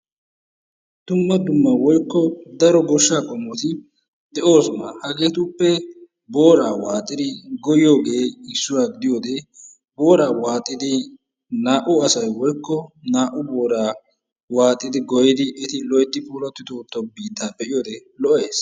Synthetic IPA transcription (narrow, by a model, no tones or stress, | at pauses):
d̪̥ʊmːɐd̪ʊmːɐwɔjkːɔd̪ɐɾɔɡɔʃːaːkʼɔmːɔt̪ɪ | d̪ɛʔo̞ːsma̰hɐɡeːt̪uːpːɛ | bo̞ːɾaːwaːt̪ʼːɪd̪ɪɡɔjɪjo̞ːɡe̞ːɪsːʊwaːɡɪd̪ɪjo̞ːd̪ɛ | bo̞ːɾaːwaːt̪ʼːɪd̪ɪ | naːʔʊɐsɐjwɔjkːɔnaːʔʊbo̞ːɾaː | waːt̪ʼːɪd̪ɪɡɔjɪd̪ɪʔɛt̪ɪlɔjt̪ːɪpuːlɐt̪ːɪt̪oːt̪ːɔbiːt̪ːaːbɛʔɪjoːd̪ɛlɔʔeːs